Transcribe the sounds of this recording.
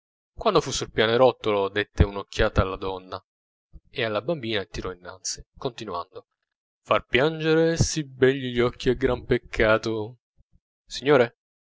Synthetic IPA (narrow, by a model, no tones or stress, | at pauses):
kwand̪ofusulpjaːnoɾɔt̪ːolod̪et̪ːeunokʰːjaːt̪aːlːad̪ɔnːa | ealːabambiːnat̪iɾɔinːa̰nt̪si̥kont̪inwa̰nd̪o | farpjand͡ʒeɾesibɛnʎiʎɔkʰːiaɡɾampekʰːaːt̪o | siɲːoːɾe